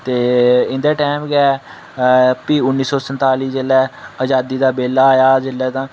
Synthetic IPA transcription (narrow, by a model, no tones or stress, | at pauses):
t̪eːɪnd̪eːʈɛːmɡɛː | piːʊnːiːsɔːsənt̪aːliːd͡ʒɪlɛːəd͡ʒaːd̪iːd̪aːbeːlaːaːjaːzɪlːɛːt̪ãː